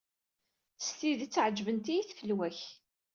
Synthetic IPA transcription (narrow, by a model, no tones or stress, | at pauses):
θə̥st̪iðt͡sːʕd͡ʒvənt̪iθfəlwæç